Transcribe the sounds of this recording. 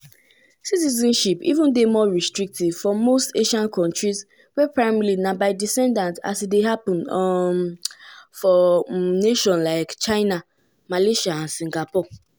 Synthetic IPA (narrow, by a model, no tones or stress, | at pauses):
sitizɔ̃nʃipḭvũndemɔɹistɹik̚tiv̥fɔmosteʃãnkʰɔ̃ntɹiz | wɛpɹaɪmɛlinãbaɪdisɛ̃ndãnta̰sideɦapɔ̃nɔm | fɔneʃɔ̃nlaɪkt͡ʃaɪna | maleʃaãnsĩŋɡapɔ